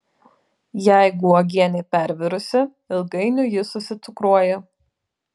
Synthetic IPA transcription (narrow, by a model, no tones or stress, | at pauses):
jæˑɪɡʊɔɡʲiɛnʲɛɪpʲæɾʲʋʲɪɾʊsʲɪ | ɪlˠɡɐɪnʲʊjɪsʊsʲɪt̪sʊkɾuɔjɛ